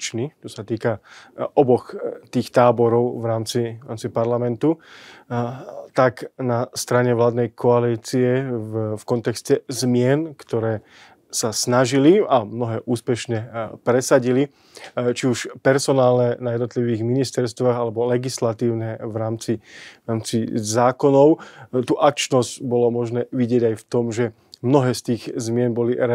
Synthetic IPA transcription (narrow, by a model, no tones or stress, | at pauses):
t͡ʃnit͡ʃɔsat̪iːkaʔɔbɔxt̪iːxt̪aːbɔɾɔʊvɾaːmt͡siaːmt͡sipaɾlamɛnt̪u | t̪aknast̪ɾaɲɛʋlaːd̪nɛjkʰɔaliːt͡siɛfkɔnt̪ɛkscɛzmɪɛnkt̪ɔɾɛː | sasnaʒiliamnɔɦɛːʔuːspɛʃɲɛpɾɛsaɟili | t͡ʃiuʃpɛɾsɔnaːlnɛnajɛd̪nɔt̪liʋiːɣminist̪ɛɾst̪ʋaːɣalɛbɔlɛɡislat̪iːʊnɛʋɾaːmt͡siaːmt͡sizaːkɔnɔʊt̪uːʔak̚t͡ʃnɔzɟbɔlɔmɔʒnɛːʋiɟɪɛɟajft̪ɔmʒɛ | mnɔɦɛːst̪iːɣzmɪɛnbɔlḭɾɛ